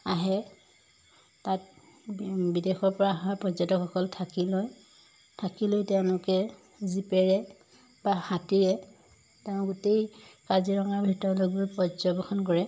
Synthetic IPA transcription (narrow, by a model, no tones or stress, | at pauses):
aɦɛ | tat̚ | bidexɔɹpɔɹaɦapɹɔzɔtɔkɔkɔltʰakilɔj | tʰakilojtɛʊ̃lʊkɛ | zipɛɹɛ | baxatiɹɛ | tɛʊ̃ɡutejkaziɹɔŋaɹbʱitɔɹɔlojbojpɹɔzɔbɔxʰɔnk̬ɔɹɛ